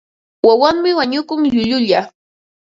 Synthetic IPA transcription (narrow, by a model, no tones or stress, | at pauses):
wawaŋmɪwaɲʊkʊŋʎʊʎʊʎa